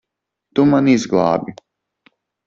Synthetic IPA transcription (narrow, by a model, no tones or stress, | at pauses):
t̪umanizɡlˠɑ̰ːbʲi